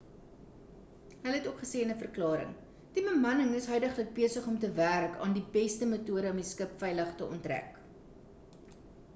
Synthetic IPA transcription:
ɦəlɦɛtokχəseːənəfərklɑːɾə̰ŋ | d̥ibəmɐnəŋəsɦœɥdəχlək̚biəsəχɔmtəværkʰɑ̰ːndibɛstəmətuəɾəɔmiskəpfɛjləχtəɔ̰ntræ̰k

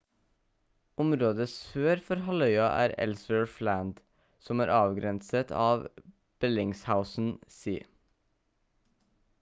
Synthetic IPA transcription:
ʊmɾoːd̪əsføːɾfɔɾhɑlœʏɑʔæ̰ːɾɛ̰lsʋəːɹflænd̪ | sɔmæːɾʔɑːʋɡɾɛnsət̪ʰɑ̰ːʋ | b̥ɛlɪŋshaʊsn̩sḭː

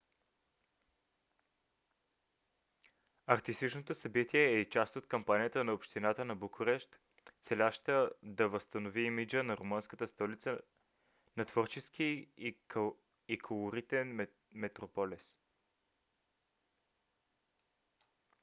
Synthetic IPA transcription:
ɐɾt̪ist̪it͡ʃnot̪osɐbit̪iɛːit͡ʃast̪ot̪kɐmpanijət̪ənɐopʃt̪inat̪ənɐbokʰʊɾɛʃt̪ | sɛlʲaʃt̪əd̪ɐvəst̪ənoviimid͡ʒənɐɾomənskət̪əst̪ɔlit̪sə | nɐt̪v̥oɾt͡ʃɛsk̟i | ikʰolˠoɾit̪ɛn | mɛt̪ɾopɔlis

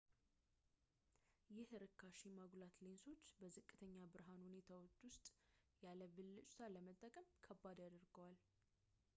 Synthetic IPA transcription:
jɪhɨɾɨkʰːaʃimaɡlat̪lenso̞t͡ʃːbəzɨkʼːɨt̪ʰəɲːabɨɾɦanhune̞t̪ʰawo̞t͡ʃːwʊst̪ʼjaləβɨlːɨt͡ʃʼt̪ʰaləmət̪ʼːəkʼəmkʰəbːad̪ad̪əɾɡəwal

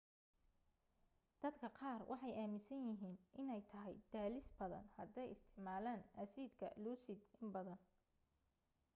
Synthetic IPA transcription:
d̪̥ɐd̪kʰɐqɑːrwʔɑ̰ħɑjaːmɪsɐnjɪɦiːnʔɪnɛjt̪ʰɐɦɛ̰jd̪̥aːlɪsbɐðɐ̰nhɐd̪ɛjɪst̪ʰɪ̥ʕmaːlaːnʔɐsiːd̪kʰɐ̰luːsɪd̪ɪmbɐðɐn

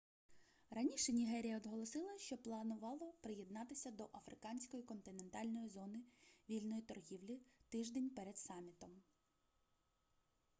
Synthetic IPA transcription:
rɐnʲiʃɛnʲiɦɛɾʲijɐɔd̪ɦɔlˠɔsɪlˠɐʃt͡ʃɔplˠɐnʊʋɑlˠɔpɾɪjed̪nɑt̪ɪsʲɐd̪ɔʔɐfɾɪkɑnʲsʲkɔjikɔnt̪ɪnent̪ɑlʲnɔjizɔnɪʋʲilʲnɔjit̪ɔrɦʲiwlʲit̪ɪʒd̪enʲpɛɾɛd̪sɑmʲːit̪ɔm

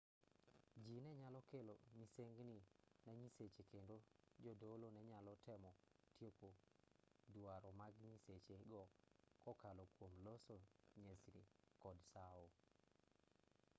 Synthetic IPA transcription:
d͡ʒinɛɲalɔkelomiseŋɡninɛɲiset͡ʃekendod͡ʒɔdolonɛɲalɔtʰɛmɔtjopo | duaɾɔmaɡɲiset͡ʃeɡɔkɔkalɔkwomlosoɲesɾḭkɔdsao

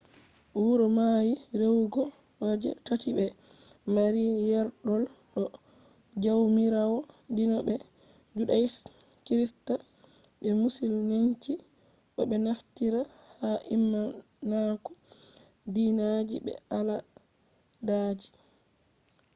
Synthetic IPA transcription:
ʔuɾɔmajiɾewɡɔ | ɔd͡ʒɛ̰tatiɓɛ | maɾijɛɾɗɔlɗɔ | d͡ʒawmiɾawɔdinɔbɛ | d͡ʒuɗajis | kɾista | ɓɛmusilneɲt͡ʃi | ɗɔɓɛnaftiɾa | haʔimːa | nakɔ̥ | dinad͡ʒibɛ̰ala | daːd͡ʒi̥

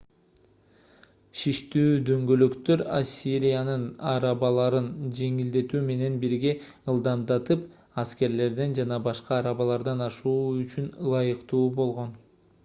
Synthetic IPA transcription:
ʃiʃt̪yːd̪ø̞ŋɡø̞lø̞kt̪ø̞ɾasʲːiɾʲijanɯnɑɾɑβɑlˠɑɾɯnd͡ʒe̞ŋild̪e̞t̪yːme̞ne̞nbiɾɡe̞ | ɯlˠd̪ɑmd̪ɑt̪ɯp | ɑske̞ɾle̞ɾd̪end͡ʒɑnɑbɑʃqɑːɾɑβɑlˠɑɾd̪ɑnɑʃuːyt͡ʃynlˠɑjɯqt̪uːbo̞lˠʁo̞n

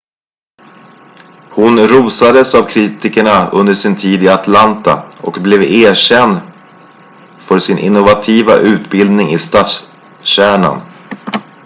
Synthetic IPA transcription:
hʊnɾuːsad̪əsavkʰɾiːt̪ɪkəɳaɵnd̪əʂɪnt̪ʰiːd̪ɪat̪ʰlant̪a̰ɔkblɛveːɕɛnd̪ | fœʂɪnʔɪ̰nːʊvat̪ʰiːva̰ʔʉ̟ːt̪bɪld̪nɪŋɪst̪at̪s | ɕæːɳa̰n

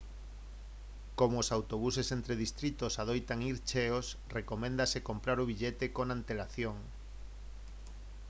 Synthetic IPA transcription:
komoːsawt̪oβusesent̪ɾeðist̪ɾit̪osað̞ojt̪aŋiɾt͡ʃeos | rekomẽnd̪asekompɾaɾuβ̞iʎet̪ekonãnt̪elaθjoŋ

